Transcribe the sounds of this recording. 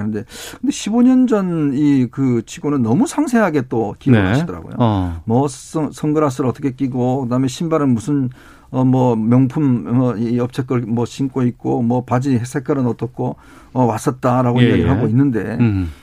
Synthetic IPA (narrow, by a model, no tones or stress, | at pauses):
nɯnde̞kʰɯnde̞ɕʰiboɲʌnd͡ʑʌnikɯt͡ɕʰiɡonɯnːʌmusʰaŋsʰe̞ɦaɡe̞t͈okideɦaɕidʌɾa̰ɡo̰jo̰mʌssʰʌŋɡɯɾas̬ʰɯɾʌt͈ʌkʰek͈iɡokɯdaɦɯme̞ɕʰimbaɾɯnmusʰɯn | ʌmwʌmjʌŋpʰumʌiʌp̚t͡ɕʰek͈ʌɭmwʌɕʰink͈oit̚k͈omwʌpad͡ʑiɦesʰek͈ʰʌɾɯnʌt͈ʌk͈o | ʌwas͈ʌt̚t͈aɾaɡoijeɡɯɭɦaɡoinːɯnde̞